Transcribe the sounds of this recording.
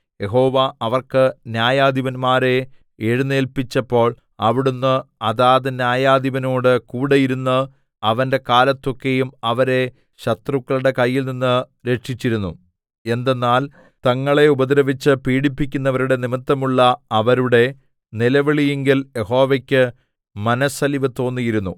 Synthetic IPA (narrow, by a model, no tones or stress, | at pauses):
je̞ɦo̞ːʋaɐʋɐrkɨnjaːjaːd̪iʋɐnmaːɾe̞ | eɻunːeːlpit͡ɕːɐpːo̞ːɭ | ɐʋiɽunːɨɐðaːðɨnjaːjaːd̪iʋɐno̞ːɽɨkuːɽejiɾunːɨ | ɐʋɐnde̞kaːlɐt̪ːo̞kːe̞jumɐʋɐɾe̞ | ɕɐt̪rukːɐɭuɽe̞kɐjːilninːɨ | ɾe̞ʈʂit͡ɕːiɾunːṵ | e̞nd̪e̞nːaːl | t̪ɐŋːɐɭe̞ubɐd̪iɾɐʋit͡ɕːɨpiːɽipːikʲːunːɐʋɐɾuɽe̞nimɐt̪ːɐmuɭːɐɐʋɐɾuɽe̞ | nilɐʋeɭijeŋɡilje̞ho̞ːʋekʲːɨ | mɐnɐsɐliʋɐt̪o̞ːnːijiɾunːu